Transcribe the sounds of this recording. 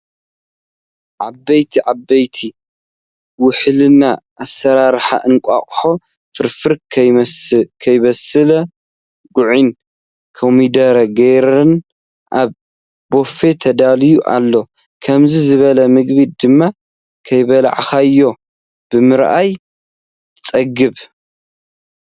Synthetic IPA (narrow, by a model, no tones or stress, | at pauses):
ʕabːɐjt̪ʰiʕabːɐjt̪ʰi | wʊħlɨnaʔasɐɾaɾħa̰ʔɨnkʷʼa̰χʼħo̞ | fɨɾfɨɾʰ | kʰɐjβɐsɨlɐ | ɡʊʕin | kʰɐmid̪ɐɾɐɡeɾɨn | ʔaβ | bo̞fe̞t̪ʰɐd̪alijuʔa̰lːo̞ | kʰɐmzizɨβɐlɐmɨɡbid̪ɨmːa | kʰɐjβɐla̰ʕxajːo̞ | b̥ɨmɨɾʔaj | t̪ɨt͡sʼɐɡɨβ